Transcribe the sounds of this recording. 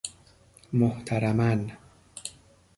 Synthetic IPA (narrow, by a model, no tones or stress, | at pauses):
moht̪ʰaɾamæn